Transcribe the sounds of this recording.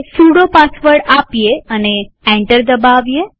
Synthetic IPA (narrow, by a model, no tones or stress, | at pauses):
suɽopasʋəɾɽapijeəne | ɛ̃ɳʈəɾd̪əbaʋje